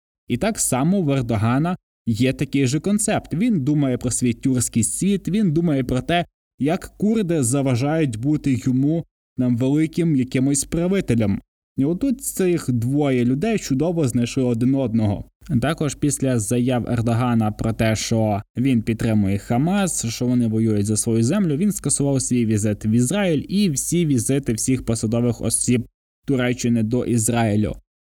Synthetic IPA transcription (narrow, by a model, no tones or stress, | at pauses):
it̪ɑksɑmɔʋerd̪ɔɦɑnɐ | jɛt̪ɐkɪjʒɛkɔnt̪sɛpt̪ʋʲind̪umɐjɛpɾɔsʲʋʲitʲːursʲkɪjsʲʋʲit̪ʋʲind̪umɐjɛpɾɔt̪ɛ | jɐkːurd̪ɪzɐʋɐʒɑjʊtʲbut̪ɪjɔmu | nɑmʋelˠɪkɪmjɐkɪmʊsʲspɾɐʋɪt̪elʲɐm | iɔt̪ːut̪t̪sɪxd̪ʋɔjɛlʲʊd̪ɛjt͡ʃʊd̪ɔʋɔznɐjʃlˠɪɔd̪ɪnɔd̪nɔɦɔ̰t̪ɑkɔʒpʲisʲlʲɐzɐjɑwɛ̰rd̪ɔɦɑnɐpɾɔt̪ɛʃt͡ʃɔʋʲinpʲit̪̚t̪ːɾɪmʊjɛxɐmɑsʃt͡ʃɔʋɔnɪʋɔjujʊtʲzɐsʋɔjuzɛmlʲʊʋʲinskɐsʊʋɑwsʲʋʲijʋʲizɪt̪ɪwizrɑilʲiwsʲiʋʲizɪt̪ɪwsʲixpɔsɐd̪ɔʋɪxɔ̰sʲib̚ | t̪ʊɾɛt͡ʃːɪnɪd̪ɔʔizɾɑilʲʊ̰